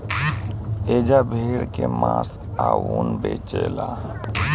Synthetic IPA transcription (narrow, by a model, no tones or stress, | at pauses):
ed͡ʒabʱeɽkemãs | aunbet͡ʃela